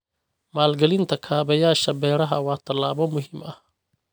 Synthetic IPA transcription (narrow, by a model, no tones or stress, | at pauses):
maːlɡɐlɪnt̪ʰɐkʰaːβɐjaːʃɐbɛːɾɐɦɐ̰wɑːt̪ʰɐlːaːβɔmʊɦɪmɐh